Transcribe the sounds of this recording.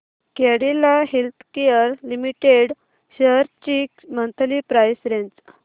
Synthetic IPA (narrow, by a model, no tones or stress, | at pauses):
kɛɽilaɦelt̪ʰkejəɾlimiʈeɽ | ɕəɾt͡ɕikmənt̪ʰlipɾajsɾent͡s